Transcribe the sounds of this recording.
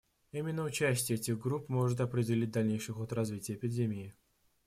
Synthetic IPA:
imʲɪnːəʊt͡ɕæsʲtʲɪjəɛtʲɪɣɡɾupmo̞ʐɨt̪̬ɐpɾʲɪdʲɪlʲit̚ʲd̪ɐlʲnʲejʂɨxot̪rɐzvʲitʲɪjəːpʲɪdʲemʲɪː

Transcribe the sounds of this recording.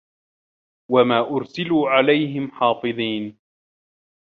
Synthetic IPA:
wamaːʔʊɾsɪluːʕalajɦɪmħɑːfɨðˤiːn

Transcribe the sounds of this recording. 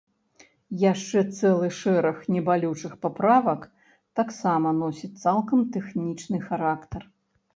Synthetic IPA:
jaʂt͡ʂɛt̪sɛlˠɨʂɛɾɐxnʲɛbalʲut͡ʂɨxpapɾavɐk | t̪aksamɐnɔsʲit̪salˠkɐmt̪ɛxnʲit͡ʂnɨxaɾakt̪ɐr

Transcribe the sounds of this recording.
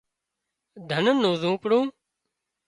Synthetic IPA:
d̪ʱənənːoːzũːpɽũː

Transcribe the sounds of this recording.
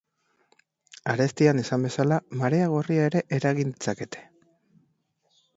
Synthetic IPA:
aɾe̞st̪ianesambe̞salamaɾeaɣ̞o̞riae̞ɾe̞ʔeɾaɣind̪it͡sake̞t̪ʰe̞̥

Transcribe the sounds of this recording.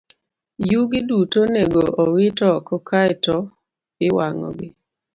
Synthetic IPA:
juɡɪdutoneɡoʔɔwɪtɔkɔkʰaɪtɔ | ɪwaŋɔ̰ɡɪ

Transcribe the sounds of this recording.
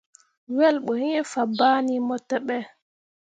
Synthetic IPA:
wɛlɓɔhɛɛfabaːnimɔtːɛɓɛ

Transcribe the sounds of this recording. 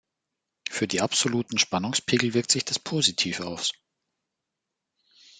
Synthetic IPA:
fyːɐdiːʔapz̥oluːtn̩ʃpanʊŋspʰiːɡl̩vɪɐktz̥ɪçd̥aspʰoːzitʰiːfa̰ʊs

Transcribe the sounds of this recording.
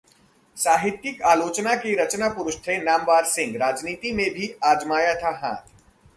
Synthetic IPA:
saːɦɪt̪jɪkaːloːt͡ʃnakiɾɐt͡ʃnapʊɾʊʃt̪ʰenaːmʋaːɾsɪ̃ŋɡɾaːd͡ʒniːt̪imẽbʱiaːd͡ʒmaːjat̪ʰaɦã̰ːt̪ʰ

